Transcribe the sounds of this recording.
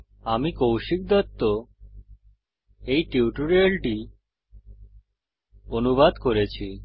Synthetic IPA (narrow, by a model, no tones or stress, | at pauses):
amikowʃik̚d̪ɔt̪ːo | ejʈiuʈuɾeɭʈi | onubad̪koɾet͡ɕʰi